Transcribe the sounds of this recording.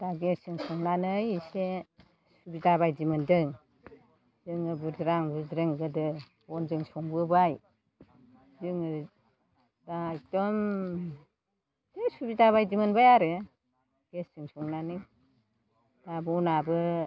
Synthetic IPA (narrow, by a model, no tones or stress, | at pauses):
d̥aɡesɯŋsɔŋnanɯjse | subidaβajd͡ʒimɯndɯŋ | zɯŋɯbudɾaŋbɯdɾɯŋɡɯdɯ | ɔnd͡ʒɯŋsɔŋbɯbaj | zɯŋɯ | dajk̚d̥ɔm | sesubidaβajd͡ʒimɯnbajaɾɯ | ɡ̥esɯŋsɔŋnanɯj | d̥abunabɯ